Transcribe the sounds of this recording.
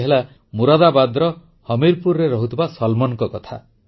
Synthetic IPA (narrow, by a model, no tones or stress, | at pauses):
ɦela | muɾɔd̪abad̪ɾɔ | hɔmiɾpuɾɾeɾɔɦut̪ʰibasɔlmɔnkɔkɔt̪ʰa̰